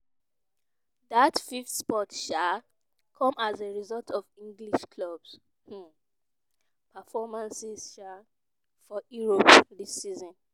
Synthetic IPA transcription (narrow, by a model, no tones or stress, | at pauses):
ðatfiftspɔtʃa | kʰɔ̃mazeɹizɔltʰɔvĩŋɡliʃkʰlɔbs̩ | pəfɔmãnsiz̥ʃa | fɔjuɹopðisizɔ̃n